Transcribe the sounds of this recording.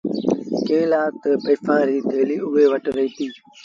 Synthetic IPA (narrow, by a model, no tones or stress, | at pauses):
kẽːlaːt̪əpəːfʰãːɾiːt̪ʰeːliːʊʋeːʋəʈɾəɦiːt̪iː